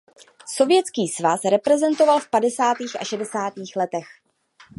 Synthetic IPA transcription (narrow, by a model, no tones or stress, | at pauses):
so̞vjɛt͡skiːsvasɾɛpɾɛzɛnt̪o̞valfpadɛsaːt̪iːxʔa̰ʃɛdɛsaːt̪iːxlɛt̪ɛx